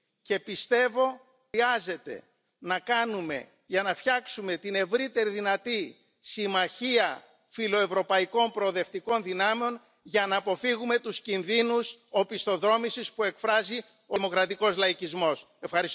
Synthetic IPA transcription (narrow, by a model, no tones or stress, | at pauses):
ce̞pist̪e̞vo̞ | iɐze̞t̪e̞̰ | nɐkɐnume̞̰ | ʝɐnɐfçɐksume̞t̪ine̞vɾit̪e̞ɾiðinɐt̪i | simɐçiɐ | filo̞e̞vɾo̞pɐiko̞npɾo̞ːðe̞ft̪iko̞nðinɐmeo̞n | ʝɐnɐːpo̞fiɣume̞t̪uscinðinuso̞pist̪o̞ðɾo̞misispue̞kfɾɐzi | omo̞kɾɐt̪iko̞zlɐicizmo̞s | e̞fxɐɾis